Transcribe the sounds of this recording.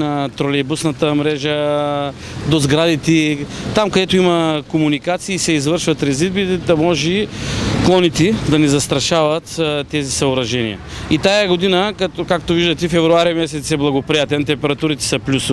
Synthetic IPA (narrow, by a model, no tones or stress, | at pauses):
nɐt̪ɾolɛbusnɐt̪əmɾɛʒə | d̪ozɡɾad̪it̪it̪amkɐd̪ɛt̪oimɐkomunikat̪siːsɛizvɤɾʃvɐt̪ɾɛzid̪bit̪ɛd̪ɐmɔʒɛklˠɔnit̪ɛd̪ɐnɛzɐst̪ɾɐʃavɐt̪t̪ːɛzisɐoɾɐʒɛnḭə̰ | it̪ajɐɡod̪inəkɐkakt̪oviʒd̪ət̪ɛfɛvɾuaɾimɛsɛt̪sɛblˠɐɡopɾijat̪ɛnt̪ɛmpɛɾɐt̪uɾit̪ɛ̥sɐplʲusʊ